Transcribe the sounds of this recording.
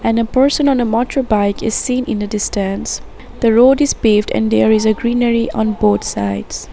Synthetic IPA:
ɛ̃nəpəɹsə̃nɔ̃nəmɔtʰɹobaɪkɪz̥sĩːnɪ̰̃nd̪ədɪstæ̃ns | d̪̥əɹoːdɪzpeːvdɛ̰̃nd̪eːɹɪzəɡɹĩnəɹiʔɔ̃nboːt̪saɪds

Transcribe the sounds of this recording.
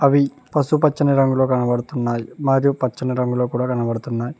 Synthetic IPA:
ɐʋi | pɐsupɐt͡ʃːɐnɐɾɐŋɡulo̞ːkɐnɐʋɐɽut̪unːaːjimaːɾjupɐt͡ʃːɐnɐɾɐŋɡuloːkuːɽaːkɐnɐʋɐɽut̪unːaːji

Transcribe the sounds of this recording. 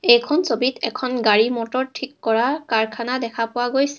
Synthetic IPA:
ejkʰɔnsobitɛ̰kʰɔnɡaɹimɔtɔɹtʰikːɔɹakaɹkʰanadɛkʰapʊwaɡojsɛ̥

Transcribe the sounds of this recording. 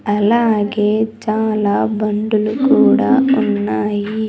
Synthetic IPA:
ɐlaːɡed͡ʒaːlabɐɳɖulukuːɽaunːaːji

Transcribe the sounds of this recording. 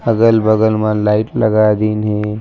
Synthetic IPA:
ɐɡəlbɐɡəlmãlaːɪʈlɐɡaːjd̪inɦɛ̃

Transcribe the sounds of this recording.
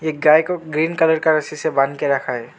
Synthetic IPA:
eɡaːjkoɡɾiːnkələɾkaɾəsisebãnkeɾɐkʰaɦɛ

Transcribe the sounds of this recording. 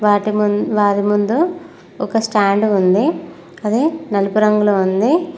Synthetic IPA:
ʋaːʈiʋaːʈimund̪u | ɔkɐsʈaːɳɖund̪i | ɐd̪enɐlupuɾɐŋɡulound̪i

